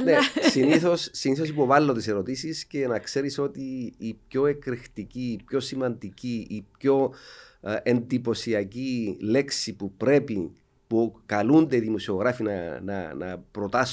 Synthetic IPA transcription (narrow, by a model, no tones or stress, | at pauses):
nesiniθo̞sːiniθo̞sipo̞vɐlːo̞t̪ise̞ɾo̞t̪isisce̞nɐkse̞ɾiso̞t̪iːp̚ço̞e̞kɾixt̪iciːpço̞simɐnd̪iciipço̞ | e̞nd̪ipo̞siɐcile̞ksipupɾe̞pi | pukɐlund̪e̞iðimosio̞ɣɾɐfinɐnɐ̰nɐ̰pɾo̞t̪ɐs